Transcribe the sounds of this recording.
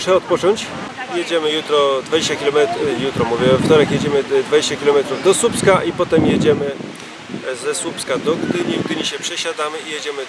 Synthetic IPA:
ʂɛɔt̪̚pɔt͡ʂɔɲt͡ɕ | jed͡ʑɛmɘjut̪ɾɔd̪vad͡ʑeɕt͡ɕakʲilɛjut̪ɾɔmuvʲjɛvɛft̪ɔɾɛkjed͡ʑɛmɘd̪vad͡ʑeɕt͡ɕakʲilɔmɛt̪ɾuvd̪ɔsupskaʔipɔt̪ɛmjed͡ʑɛmɘ | zɛsupskad̪ɔɡd̪ɘɲivɡ̪ɘɲiɕɛpʂɛɕad̪amɘijed͡ʑɛmɘ

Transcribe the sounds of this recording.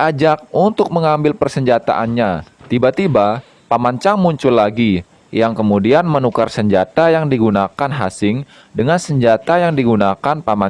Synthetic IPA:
ad͡ʒak̚unt̪ʊk̚məŋambɪlpərsəɲd͡ʒat̪a̰ʔanɲat̪ibat̪iba | pamaɲt͡ʃaŋmuɲt͡ʃʊlːaɡi | jaŋkəmudianmənukarsəɲd͡ʒat̪ajaŋdiɡunakanɦa̰sɪŋ | dəŋansəɲd͡ʒat̪ajaŋdiɡunakanpama

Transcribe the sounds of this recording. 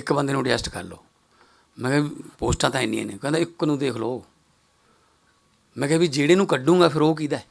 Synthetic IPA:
ɪkbə̃nd̪eːnũːɖd͡ʒɛsʈkə̰ɾlo̰ː | mɛ̃ːkɛːipoːsʈãːt̪ãːɪnḭ̃ːɛ̰ːneːkɛ̃ːd̪ãɪkːnũːd̪eːkʰloː | mɛ̃ːkɛːbiːd͡ʒeːɽeːnũːkəɖũːŋɡaːpʰɪɾoːk̬iːd̪aɛː

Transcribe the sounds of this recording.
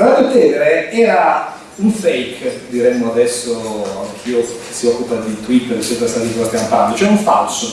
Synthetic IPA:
alaɾot̪ɛːveɾeɛːɾa | uɱfɛjkd̪iɾɛmːoad̪ɛsːoa̰ŋk̟ʰiːo | siɔkːupad̪it̪wit̪ːeɾet͡ʃːɛt̪ɾast̪at̪ikast̪jamant̪and̪ot͡ʃoɛuɱfa̰lso

